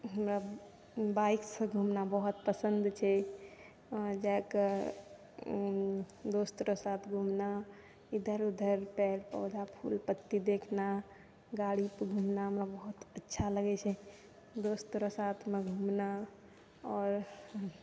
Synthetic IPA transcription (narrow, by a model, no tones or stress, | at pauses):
ɦəmɾa | baiksə̃ɡʱumnabəɦut̪̚pəsənd̪t͡ʃʰɛ | d͡ʒak | d̪ost̪ɾosat̪ʰɡʱumna | id̪ʱəɾud̪ʱəɾpɛɾpɔ̰ːd̪ʱapʰṵlpət̪ːid̪ekʰna | ɡaɽipɡʱumnaɦəmɾabəɦut̪ətːʃʰaləɡɛt͡ʃʰɛ | d̪ost̪ɾosat̪ʰmeɡʱumna | ɔːɾ